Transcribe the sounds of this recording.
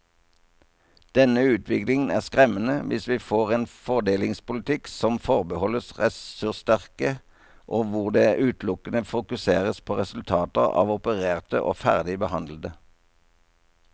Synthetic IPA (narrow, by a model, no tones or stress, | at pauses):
d̪̥ɛnəʉːt̪ʰʋɪklɪŋn̩æːʁskʁɛmənəʋɪsʋiːfoːʁeːnfɔʁd̪eːlɪŋspʊlɪt̪ʰɪksɔmfɔʁbəhɔləsʁɛsʉʁst̪æʁkə | ʔoːʋʊʁd̪eːʔʉːt̪lʊkənəfʊkʉseːʁəspʰoːʁɛsʉlt̪ʰɑːt̪əʁɑ̰ːʋʊpəʁeːʁt̪ə̰ʔo̰ːfæ̰ʁd̪ɪbəhɑnd̪ləd̪ə